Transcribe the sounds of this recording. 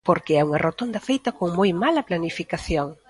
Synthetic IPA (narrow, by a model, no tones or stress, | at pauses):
poɾkɪɛuŋɐrot̪ond̪ɐfejt̪ɐkoŋmojmalɐplanifikaθjoŋ